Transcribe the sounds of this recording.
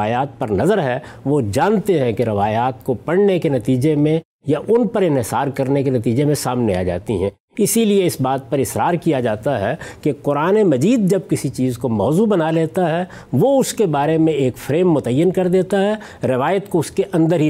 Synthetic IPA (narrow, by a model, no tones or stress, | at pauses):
aːjaːt̪̚pɐɾnɐzəɾɦɛʋod͡ʒãːnt̪eɦɛ̃keɾɪʋaːjaːt̪̚kopɐɽnekenɐt̪iːd͡ʒemẽ | jaʔʊnpɐɾɪ̃nɦɪsaːɾkɐɾnekenɐt̪iːd͡ʒemẽsaːmneaːd͡ʒa̰ːt̪iɦɛ̰̃ː | ɪsilieɪsbaːt̪̚pɐɾɪsɾaːɾkijad͡ʒaːt̪aɦɛkeqʊɾaːnemɐd͡ʒiːd̪̚d͡ʒɐb̚kɪsit͡ʃiːzkomɔːzubɐnaleːt̪aɦɛ | ʋoʊskebaːɾemẽeːkfɾeːmːʊt̪əjːənkɐɾd̪eːt̪aɦɛ | ɾɪʋaːjət̪koʊskeʔɐ̃nd̪əɾɦi